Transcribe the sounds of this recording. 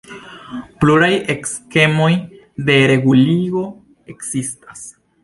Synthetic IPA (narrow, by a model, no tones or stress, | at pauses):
pluɾaje̞kske̞mo̞j | de̞ɾe̞ɡuliɡo̞ | e̞ksistas